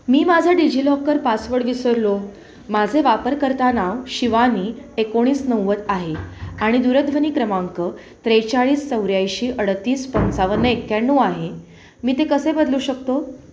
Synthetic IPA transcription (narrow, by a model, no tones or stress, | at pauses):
miːmad͡zʱaɖid͡ʑilɔkːəɾpasʋəɽʋisəɾlo | mad͡zʱeʋapəɾkəɾt̪anaʋɕiʋaniːekoɽ̃iːsnəwːət̪aɦeaɽ̃id̪uɾəd̪ʋəniːkɾəmaŋkə | t̪ɾejt͡saɭiːst͡səwɾjajɕiːʔəɽt̪iːspənt͡saʋənːəekːanːuːaɦe | miːt̪ekəsebəd̪luːɕəkt̪o